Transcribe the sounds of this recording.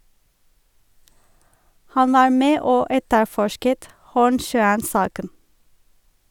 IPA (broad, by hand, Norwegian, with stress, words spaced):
ˈhɑn ˈʋɑːɹ ˈmeː ˈoː ˈɛtəˌfɔʃkət ˈhuːɳˌʃœənˌsɑːkən